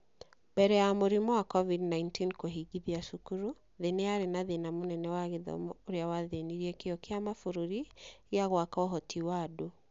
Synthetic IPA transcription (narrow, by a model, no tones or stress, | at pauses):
mbɛɾɛjamoɾimɔwakɔvidnaintinkoɦiɡiðiaʃukuɾu | ðeneaɾenaðenamonɛnɛwaɣeðɔ̰moɾeawaðeniɾiɛkeɔkeamafoɾuɾiɣeaɣwakaɔɦɔtʰiwado